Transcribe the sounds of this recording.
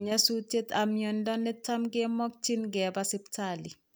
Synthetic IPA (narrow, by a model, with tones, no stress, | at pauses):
ɲa˦su˦te˦ta˨mjo˨ndɔ˦nɛ˦ta˦mɡe˦mɔ˦k̚t͡ʃi˦nɡɛ˨ba˦sɪ˦ptʰali˨